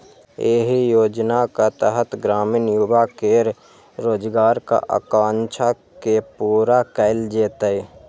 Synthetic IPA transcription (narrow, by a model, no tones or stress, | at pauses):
eːɦijoːd͡ʒnakat̪əɦət̪ɡɾaːmɪnjubakeːɾ | ɾoːd͡ʒɡaːɾka̰ʔa̰kãːnt͡ʃʰa | kepuːɾakəɪld͡ʒeːt̪əe